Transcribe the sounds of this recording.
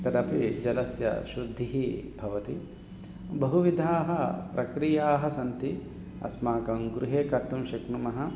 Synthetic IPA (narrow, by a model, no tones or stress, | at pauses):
k̪ɐd̪ɐpid͡ʒɐlɐsjɐ̰ʃud̪ʱːiɦibʱɐʋɐt̪i | bɐɦuʋid̪ʱaːɦɐpɾʔɐkɾijaːɦɐsɐnt̪i | ɐ̰smaːkɐmɡɾuɦeːkɐɾt̪umʃɐknumɐɦɐ̆